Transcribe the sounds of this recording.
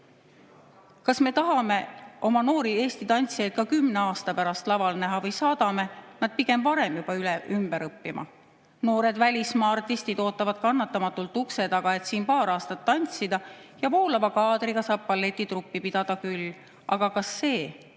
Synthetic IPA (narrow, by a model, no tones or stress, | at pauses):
kɑsme̞t̪ɑɦɑme̞o̞mɑno̞ːɾie̞ːst̪it̪ɑnʲt̪sijɑjd̪̚kɑkymne̞ɑːst̪ɑpæɾɑst̪lɑvɑlnæɦɑvɤjsɑːd̪̥ɑme̞nɑd̪̥̚piɡ̥e̞mvɑɾe̞mjub̥ɑylɛʔymb̥eɾɤpːimɑ̰ | no̞ːɾe̞d̪vælʲismɑːɑrt̪ist̪id̪o̞ːt̪ːˑɑvɑd̪̥̚kɑnːɑt̪ːˑɑmɑt̪ːˑult̪ukse̞d̪ɑɡ̥ɑe̞t̪siːnpɑːɾɑːst̪ɑt̪ːɑnʲt̪sid̪̥ɑjɑvoːlɑvɑkɑːd̪ɾiɡ̥ɑsɑːb̥̚pɑlːe̞t̪ʲːˑit̪rupːipid̪̥ɑd̪̥ɑkylː | ʔɑɡ̥ɑkɑsːe̞ː